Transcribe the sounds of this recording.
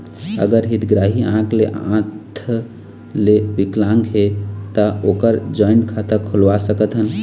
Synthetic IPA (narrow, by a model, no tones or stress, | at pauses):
ə̰ɡəɾɦit̪ɡɾaɦiãkʰleʔã̰t̪ʰ | lebiklãŋɡɦet̪əokəɾd͡ʒɔjnkʰat̪əɾkʰulʋasəkət̪ɦən